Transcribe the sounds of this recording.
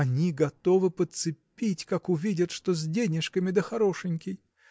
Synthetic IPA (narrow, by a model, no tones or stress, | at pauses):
ɐnʲiɡɐt̪o̞vɨpət̪sɨpʲitʲkakʊvʲidʲət̪ʂt̪ozʲdʲenʲɪʂkəmʲɪd̪əxɐɾo̞ʂɨnʲkʲɪj